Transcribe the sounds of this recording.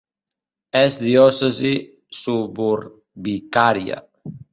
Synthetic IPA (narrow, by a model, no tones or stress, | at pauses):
ɛzd̪iɔsezi | subuɾ | bikaɾja̰